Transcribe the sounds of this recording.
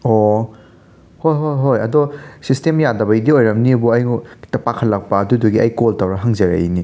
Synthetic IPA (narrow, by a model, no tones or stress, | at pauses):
ɔ | hojɦojɦojɐdɔsistemjadɐbɐjdiojɾɐmniɐbuɐjtɐpakʰɐtlːɐk̚pɐːduduɡiʔɐjkoltɐwɾɐɦaŋzɐɾɐ̰ini